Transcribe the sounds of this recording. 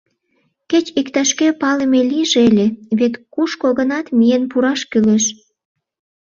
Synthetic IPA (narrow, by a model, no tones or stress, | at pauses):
ket͡ɕikt̪ɑʃkepɑlemeliʒelʲeβet̪kuʃkoɣə̆nɑt̪mijenpuɾɑʃkyleʃ